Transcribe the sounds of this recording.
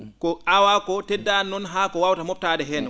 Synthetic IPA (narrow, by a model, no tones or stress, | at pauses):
kɔʔawakɔtɛdːanːɔnɦakɔwawtamɔp̚tadɛɦɛn